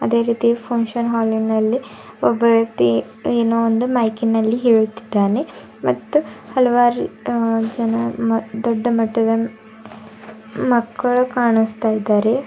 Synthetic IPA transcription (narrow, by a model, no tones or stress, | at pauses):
ɐd̪e̞ːɾiːt̪ipʰɐŋʂɐnɦaːlinɐlːi | ɔbːɐʋjɐkt̪i | eːnoːond̪umɐjkinːɐlːiɦeːɭut̪ːi̥d̪ːaːne | mɐt̪ːuhɐlɐʋaːɾud͡ʒɐnɐmɐd̪ɔɖːɐmɐʈːɐd̪ɐ | mɐkːɐɭukaːɳust̪aːjid̪aːɾe̞